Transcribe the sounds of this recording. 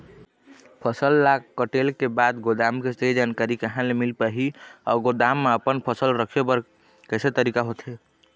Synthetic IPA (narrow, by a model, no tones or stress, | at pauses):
pʰəsəlːakkːəʈelkebad̪ɡod̪amkesed͡ʒankaɾikeɦãlemilpəɦiɔ̰ɡod̪amːeəpənpʰəsəlɾəkʰjepəɾ | kəjset̪əɾikaɦot̪ʰɦe